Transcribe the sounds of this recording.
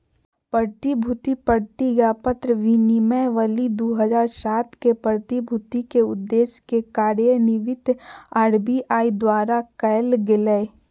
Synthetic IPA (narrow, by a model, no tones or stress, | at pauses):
pəɾt̪ibʱut̪ipəɾt̪iɡaːpət̪ɾəʋinimɛʋəlid̪oːɦəzaːɾsaːt̪kepəɾt̪ibʱut̪ikeʊd̪ːeːʃkekaːɾjənɪʋɪt̪aːɽbiʔaːid̪waːɾakəjlɡɪləe